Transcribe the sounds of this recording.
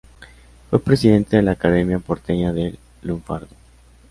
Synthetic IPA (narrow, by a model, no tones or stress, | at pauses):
fwepɾe̞siðe̞nt̪eðe̞laːkaðemjapoɾt̪eɲaðe | luɱfa̰ɾðo